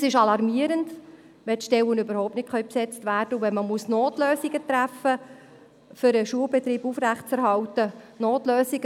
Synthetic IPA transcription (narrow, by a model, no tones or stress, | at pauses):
sɪʃɑlɑɾmiəɾənd | ʋɛt̪ʃtɛwənøbəɾhɔʊp̚tnɪtχœʏpsɛt͡stvæːrd̥əuʋɛnməmusnoːtløːsiɡət̪ɾæfə | fʏɾəʃuəlbɛt̪ɾiːbufɾæχt͡sɛɾɦɑltə | noːtløːsiɡə